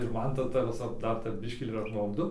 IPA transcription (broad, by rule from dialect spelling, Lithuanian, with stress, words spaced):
ɪr ˈmɐn ˈtɐ ˈtɐ ʋʲɪˈsɐ ˈdɐr tʲɛp ˈbʲɪʃʲkʲiː ɪr ɐpmɐʊˈdʊ